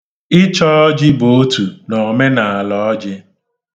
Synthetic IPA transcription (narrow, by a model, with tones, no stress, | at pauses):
ɪ˦t͡ʃɔ˦ɔ˦d͡ʒɪ˦bo˨o˦tu˨nɔ˨me˦na˨a˨lɔ˨ɔ˦d͡ʒɪ˦